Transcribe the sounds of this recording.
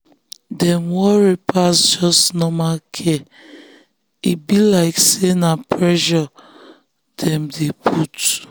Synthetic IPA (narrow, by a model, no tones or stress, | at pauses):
dɛmwɔɹipʰasd͡ʒɔsnɔmalkʰɛ | ibilaɪksenapʰɹɛʃɔ | d̥ɛ̃mdepʰut